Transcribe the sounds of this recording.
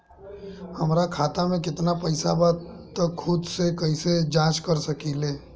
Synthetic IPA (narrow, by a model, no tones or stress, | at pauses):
həmɾakʰaːt̪amẽkɪt̪napəɪsabaːt̪ | t̪ːəkkʰːʊd̪sekəised͡ʒãːt͡ʃkəɾsəkileː